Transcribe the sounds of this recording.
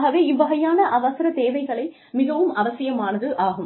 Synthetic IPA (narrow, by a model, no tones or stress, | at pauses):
ɣɐʋeːɪʋːɐɣɐjaːnɐʔɐʋɐsɐɾɐt̪eːʋɐɪɣɐɭɐɪ | mɪɣɐʋɯmɐʋɐsɪjɐmaːnɐðɯʔaːɣɯm